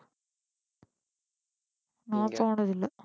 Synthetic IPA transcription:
naːtoːɳɐðilːɐ

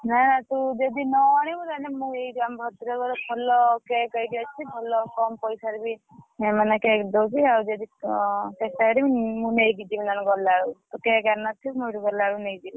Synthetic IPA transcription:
nanat̪ud͡ʒed̪inɔaɽ̃ibɔt̪anemũejɡambʱɔt̪iɾɔkɔɾɔpʰɔlɔkekɔiɡat͡ʃʰipʰɔlɔkɔmpɔjsaɾibi | emanakekd̪ɔt͡ʃiawd͡ʒed̪ikesaɾibimũnejɡid͡ʒibinanɡɔlaɾut̪ukekanat̪ʰibmuiɾuɡɔlaɽunejd͡ʒ̪ib

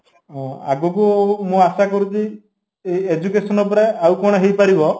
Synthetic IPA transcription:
ɦɔ̃a̰ɡɔkumũasakɔɾut̪i | eed͡ʒukesɔnɔp̬ɔɾeawkɔɽ̃ɔɦejpaɾibɔ

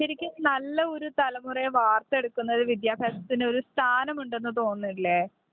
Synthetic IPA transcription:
ɐɾikʲːɨnɐlːɐo̞ɾut̪ɐlɐmureʋaːrt̪ːɐe̞ɽukːunːɐðɨʋid̪jaːbʱaːsɐt̪ːinɨo̞ɾust̪ʰaːnɐmuɳɖe̞nːɨt̪o̞ːnːiʈileː

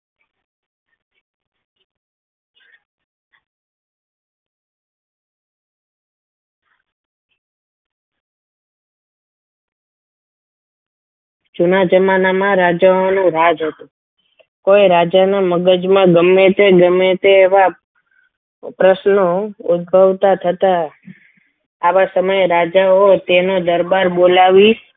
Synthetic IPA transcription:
d͡ʒunad͡ʒəmanamãɾad͡ʒaonũɾad͡ʒɦət̪ũ | kojɾad͡ʒaneməɡəd͡ʒmãɡəmːet̪eɡəmet̪eːʋa | pɾəʃnoʊd̪̚bʱəʋt̪at̪ʰət̪a | ʋasəməjɾad͡ʒaot̪enod̪əɾbaɾbolaʋi

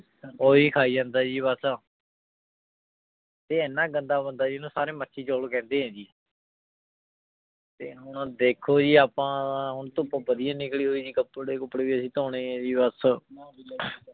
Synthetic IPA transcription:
oːiːkʰaːiːd͡ʒãːnd̪aːd͡ʒiːβəs | t̪eːɪnːãːɡənd̪aːbənd̪aːd͡ʒiːnũːsaːɾeːmətːʃʰiːt͡ʃoːlokɛ̃ːnd̪eːɦɛ̃ːd͡ʒiː | t̪eːɦʊɳd̪eːkʰoːd͡ʒiːaːpãːɦʊɳt̪õːpãːbəd̪ɪjãːnɪkɽiːɦoːiːd͡ʒiːkəpːɽeːkəpːɽeːʋiːəsĩːt̪õːɽ̃eːɛ̃ːd͡ʒiːbəs

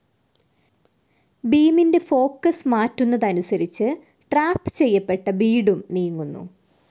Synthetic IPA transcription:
biːminde̞fo̞ːkːɐsmaːtːunːɐðɐnusɐɾit͡ɕːɨ | ʈraːpːɨ̥t͡ɕe̞jːɐpːe̞ʈːɐbiːɽumniːŋːunːṵ

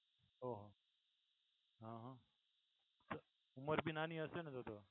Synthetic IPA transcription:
oɦo | ɦãːɦãː | sə | ʊməɾbinaːnĩːəsenet̪ot̪ʰoː

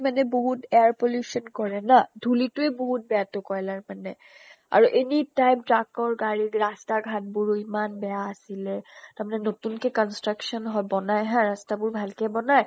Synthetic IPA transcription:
manɛboɦutɛaɹpoljusɔnkɔɹɛnadʱulitʊɛboɦut̚bɛjatʊkɔjlaɹmanɛ | a̰ɹuʔenitajp̚tɹakɔɹɡaɹikɹastaɡʱat̚buɹuimanbɛjaːsilɛtaɹmanɛnotunkɛkɔnstɹaksɔnɦɔjbɔnajɦãɹastabʊɹbʱalkɛbɔnaj

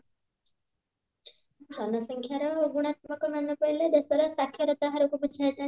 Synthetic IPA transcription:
d͡ʒʱɔnɔsɔŋkʰjaɾɔoɡuɽ̃at̪̚mɔkɔmanɔpɔjled̪esɔɾɔsakʰːjɔɾɔt̪aɦaɾɔkubut͡ʃʰat̪a

